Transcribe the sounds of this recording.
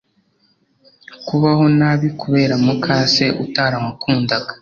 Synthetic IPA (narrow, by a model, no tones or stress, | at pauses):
kuβaho̞naβikuβe̞ːɾamukʰaːse̞ʔutaːɾamakʰuːndaɡḁ